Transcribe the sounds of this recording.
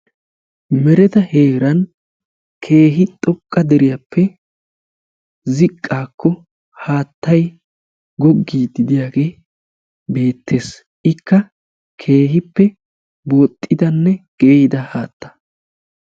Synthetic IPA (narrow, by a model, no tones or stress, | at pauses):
mɛɾɛt̪ɐhe̞ːɾɐn | kʰe̞ːɦɪt̪ʼɔkʼːɐd̪ɛɾɪjɐpːɛ | zɪkʼːaːkːɔ | haːt̪ːɐj | ɡɔɡːiːd̪ɪd̪ɪjaːɡe̞ː | be̞ːt̪ʰːe̞ːs | ʔɪkːɐ | kʰe̞ːɦɪpːɛ | boːt̪ʼːɪd̪ɐnːɛɡ̥eːd̪ɐhaːt̪ːɐ̥